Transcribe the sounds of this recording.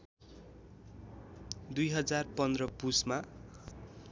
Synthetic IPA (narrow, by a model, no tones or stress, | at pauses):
d̪ujɦʌd͡zarpʌnd̪rʌpusma